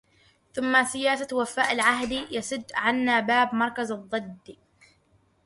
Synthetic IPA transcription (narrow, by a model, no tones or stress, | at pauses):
θʊmːasɪjaːsawafaːʔalʕaɦd̪ijasʊd̪ːʕanːaːbaːbmɑɾˤkazɑðˤːɨd̪ːi